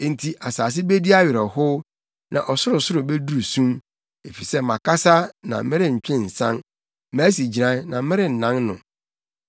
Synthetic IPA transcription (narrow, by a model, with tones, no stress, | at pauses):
n̩˨tʰi˨ʔa˨saː˨s̬ɪ˦be˦di˦a˦ɥɪ˨ɾɔ˨hʊ˦ | nã̰˨ʔɔ˨sʊ˦ɾʊ˨sʊ˦ɾʊ˨be˦du˦u˨sũ˦m | e˨fi˨sɛ˦mã˨ka˦sa˦nã̰˨˦mɪ̃˦ɾɪ˦ɲ̩˨t͡ɕᶣɪ̃˦n̩˨sã̰˦n | mæ˦si˨d͡ʑi˨ɾã˦nã˨˦mɪ̃˦ɾɪ˦n̩˨nã˦nnʊ̰̃˨